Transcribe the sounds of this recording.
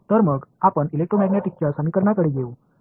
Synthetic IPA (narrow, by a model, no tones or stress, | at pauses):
t̪əɾməɡapəɳilek̚ʈɾomɛɡnjaʈik̚t͡ɕasəmikəɾɳakəɽiːɡeu